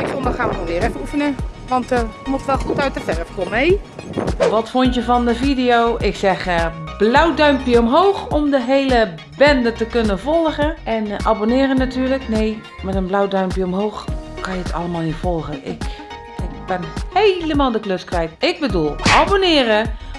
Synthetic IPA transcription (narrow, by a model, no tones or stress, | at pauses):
ɪkfɔndəχaːʋəɔlˠʋɪːɾɛfəufənəʋɑntəmoxtʋɛlˠxutœɥtəfɛrəfkomej | ʋɔtfontjəvɔndəvidɪjoːʔɪksɛxəb̥lawdœɥmpjəomɦoːxɔmdəɦelə | bɛndətəkønənvɔlˠɣəʔɛnʔabonɪːrənːatyːrləkneː | mɛtənblawdœɥmpjəɔmɦoːxkɑnjəətʰɑ̰ləmaːlˠnifɔlˠɣəʔɪ̰k | ɪk̚b̥ɛnhejləmaːlˠdəkløskrɛjtɪɡ̚bədulˠʔabonɪːrə